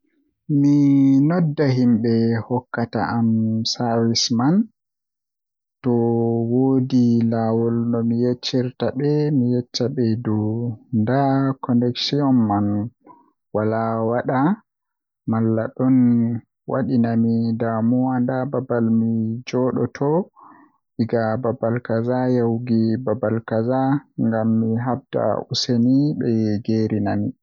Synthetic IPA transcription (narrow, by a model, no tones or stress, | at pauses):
minɔdːaɦimɓɛhɔkːata̰ʔamsaɾisman | tɔwoːdilawɔlnɔmijet͡ʃːiɾtaɓɛmijɛt͡ʃːaɓɛdɔndakʰɔnɛksiɔnːan | walawaɗa | malːaɗɔn | wa̰ɗinamidamuandababalmid͡ʒɔɗɔ̰tʰɔ | ʔiɡababalkazajawɡibabalkazaŋɡamːiɦab̚da̰ʔuseniɓɛɡeɾinami